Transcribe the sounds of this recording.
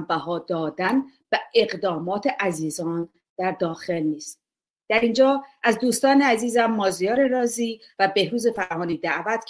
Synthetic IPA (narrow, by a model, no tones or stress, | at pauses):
mbæɦɒːd̪̥ɒːd̪ænb̥æeɣd̪ɒːmɒːt̪ʰeʔæziːzɒːn | d̪̥æɾd̪ɒːxe̞lniːst̪ | d̪̥æɾind͡ʒɒːʔæzd̪uːst̪ɒːneæziːzæmːɒːzijɒːɾeɾɒːziː | væbe̞hɾuːze̞fæɾʔɒːniːd̪æʔvæt̪